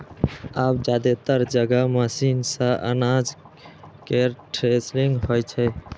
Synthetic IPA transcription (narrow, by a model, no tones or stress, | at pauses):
abd͡ʒad̪et̪əɾd͡ʒəɡəməsinsə̃ʔə̰nad͡ʒ | keʈʰɾesɾiŋɡɦojt͡ʃʰɛ